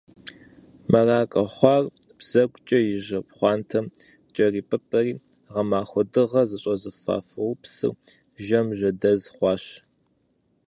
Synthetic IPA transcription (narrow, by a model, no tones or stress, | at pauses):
mɐraːkʼɐχʷɑːrb̥z̥ɐɡʷʼt͡ʃʼɐjɪʑɐpχʷɑːntʰɐm | t͡ʃʼɐriːpʼɨtʼɐriː | ʁɐmaːxʷɔdɨʁɐzɨɕʼɐzɨfa̰ːfɐwpsɨ̰r | ʒɐmʒɐdɐzχʷɑːɕ